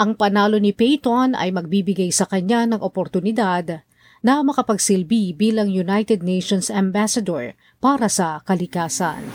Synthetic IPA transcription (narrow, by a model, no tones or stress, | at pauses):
ʔɐŋpɐnaːlo̞nɪpɛjt̪onɐ̰jmɐɡ̚bibɪɡajsɐkɐɲːanɐŋʔopoɾt̪ʊnɪd̪ad̪ | nɐmɐkɐpɐɡsɪlbibiːlɐŋjunajt̪ɛd̪̚nejʃonsɐmbasɐd̪oɹ | paːɾɐsɐkɐlɪkaːsɐ̰n